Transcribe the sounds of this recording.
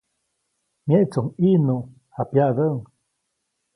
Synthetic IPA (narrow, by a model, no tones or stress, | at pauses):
mjeʔt͡suŋinu | hapjad̪əuŋ